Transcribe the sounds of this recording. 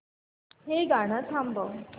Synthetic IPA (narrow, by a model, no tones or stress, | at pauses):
ɦeɡaɽ̃at͡sʰãmbəw